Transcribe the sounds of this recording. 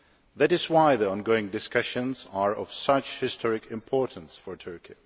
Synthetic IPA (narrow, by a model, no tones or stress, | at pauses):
ðæɾɪzwaɪðiɔ̃nɡoʊɪ̃ŋdɪskʌʃə̃nzaɹɔv̥sʌt͡ʃhɪstʰɔɹɪkʰɪ̃mpʰɔɹʔn̩sfəɹtʰɜɹkʰi